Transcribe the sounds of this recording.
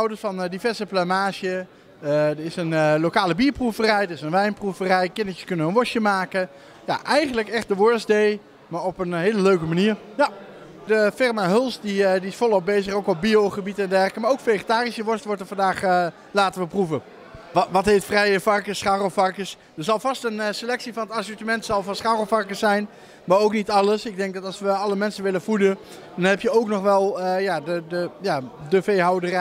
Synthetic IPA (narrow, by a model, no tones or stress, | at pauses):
ɔwdəɹsfɑndivɛɹzəplamaːʒə | dəɪsənlokaːləbiːɹpruvərɛjdərɪsənʋɛjnpruvərɛjkɪnəjəskɵnənənʋɔʃjəmaːkə | ja̰ʔɛjχənləkɛχt̚dəʋɔɹsdej | maːɹɔpənɦeːləløɥkəmaniːɹja | dəfɪrmaɦɵlˠsdidiɪsfɔlˠɔp̚bejzəχowkɔp̚bioχəbitɛndɛrkəmaːɹowkfeχətaːrisəʋɔɹstʋɔɹtəvɑndaːχ | laːtəʋəpruvə | ʋɑtɦetfrɛjəvɑrkəsχaːrofɑrkəs | dəɹzɑlˠvɑstənselɛksivɑnətasɔɹtəmɛntsɑlˠvɑnsχaːrəlˠfɑrkəsɛjn | maːɹowknitɑləsɪɡ̚dɛŋk̚dɑtɑlˠsʋəɑləmɛnsənʋɪlənfudə | d̥ɑnɦɛpjəowknɔχʋɛlˠəjadədəjadəfejɦawdər